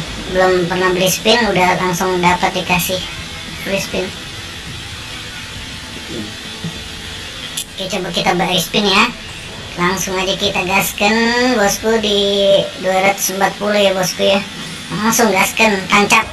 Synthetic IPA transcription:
bəlʊmpərnahbəlispɪnudahlaŋsʊŋdapat̪̚dikasɪh | bəlispɪn | at͡ʃobakit̪abaʔɾispɪnja | laŋsʊŋad͡ʒakit̪aɡaskənbɔskudiduaɾat̪ʊ̥səmbat̪̚pulujabɔskuja | laŋsʊŋɡaskənt̪aɲt͡ʃap̚

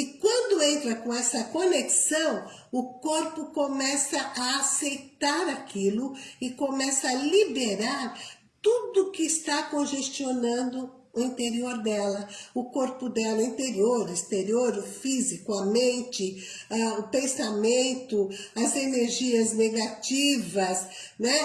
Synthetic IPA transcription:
ɪkwɐ̃nd̪ʊẽnt̪ɾɐkõɛsɐkoneksɐ̃w̃ | ʊkoɾpʊkomɛsɐʔaːsejt̪aɾakʰilʊɪkomɛsɐalibeɾaɾ | t̪ud̪ʊkɪːst̪akõʒest͡ʃionɐ̃nd̪ʊ | ʊĩnt̪eɾioɾd̪ɛlɐʊkoɾpʊd̪ɛlɐĩnt̪eɾioɾʊist̪eɾioɾʊfizikʊɐmẽnt͡ʃɪaʊpẽsamẽnt̪ʊɐzeneɾʒiɐzneɡat͡ʃivɐsnɛ

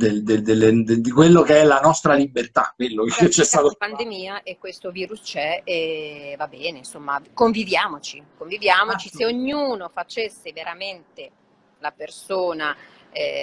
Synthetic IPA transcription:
d̪ed̪ed̪elːed̪d̪ikwelːokeɛlanɔst̪ɾalibert̪a̰kːwelːoket͡ʃːɛst̪aːt̪opand̪emiːaʔekːwest̪oviːɾust͡ʃɛɛvabɛːneinsomːakoɱvivjaːmot͡ʃikoɱvivjaːmot͡ʃiseoɲːuːnofat͡ʃesːeveɾament̪e | lapersoːna

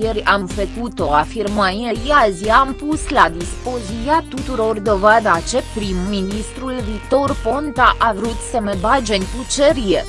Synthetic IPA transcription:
jeɾʲamfəkut̪o̞afirmajejaziːmpuslad̪ispoziiat̪ut̪uɾo̞rd̪o̞vad̪at͡ʃe̞pɾimːinist̪ɾulvikt̪o̞rpo̞nt̪aʔavɾut̪səmebad͡ʒenʲt̪ut͡ʃeɾie

